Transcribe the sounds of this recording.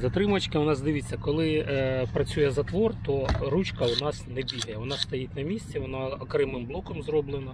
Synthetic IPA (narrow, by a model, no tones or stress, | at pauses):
zɐt̪ɾɪmɐt͡ʃkɪʊnɑzd̪ɪʋɪt͡sʲːɐkɔlˠɪpɾɐt͡sʲujɛzɐt̪ʋɔrt̪ɔɾut͡ʃkɐʊnɑsnɛbʲiɦɐjɛʋɔnɑst̪ɐjitʲnɐmʲisʲt͡sʲiʋɔnaɔkɾɛmɪmblˠɔkɔmzrɔblˠɪnɐ